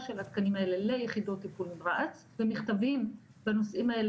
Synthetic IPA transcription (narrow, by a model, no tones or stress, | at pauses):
ʃelat̪kanimae̞le̞le̞jeχid̪o̞t̪ːipulmiʁaat͡s | vemiχt̪avim | bano̞sʔimae̞l